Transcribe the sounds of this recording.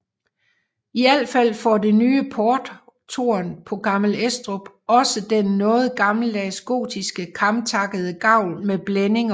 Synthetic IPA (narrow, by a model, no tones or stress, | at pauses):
iæl̰fæl̰fɒde̝nyːəpʰɒːd̥ | t͡sʰo̝ɐnpʰɒ̽ɡ̥ɑ̈ml̩esd̥ʁob̥ | ɒ̽səd̥enːɔ̽ːð̩ˠɡ̥ɑ̈ml̩d̥æsɡ̥o̝̰ːd̥isɡ̥əkʰɑ̈mt͡sʰɑ̈ɡ̥əð̞̩ˠəɡ̥ɑ̈ʊ̰lmeb̥lene̝ŋ